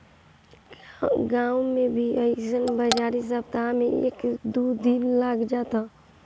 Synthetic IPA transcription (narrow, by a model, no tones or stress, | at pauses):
ɡaːwmẽbʱiəɪsənbəd͡ʒaːɾis̬əb̚t̪amẽḛːkd̪ud̪inlaːɡd͡ʒaːt̪a